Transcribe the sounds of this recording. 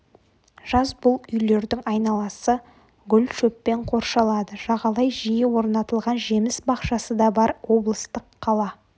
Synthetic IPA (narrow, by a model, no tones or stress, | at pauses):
ʒ̥ɑzbʊlˠʏjle̞ɾd̪ɪŋɑjnɑlˠɑsə | ɡʲʏlʲʃɵpːe̞ɴqʰo̞ɾʃɑlˠɑd̪əʒ̥ɑʁɑlˠɑjʒijɪwo̞ɾnɑt̪əlˠʁɑnʒe̞mɪsbɑqʃɑsəd̪ɑbɑɾwo̞blˠəst̪əqʰːɑlˠɑ